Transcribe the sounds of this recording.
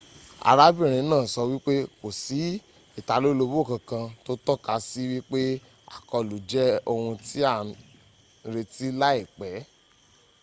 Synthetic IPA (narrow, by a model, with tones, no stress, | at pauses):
a̰˨ɾa˦bĩ˦˨ɾ̃ĩ˨˧˦nãː˦˨sɔ˧wi˦k͡pe˦ko˨si˨˦ | i˦˨ta˧lo˦lo˧bo˦˨kã˧kã˧to˦tɔ˦ka˧si˦wi˦k͡pe˦ | a̰˨kɔ˧˨lu˨˦d͡ʒɛ˦o˧hũ˧ti˦a˦˨ | ɾe˧ti˦la˦i˦˨k͡pɛ˨˦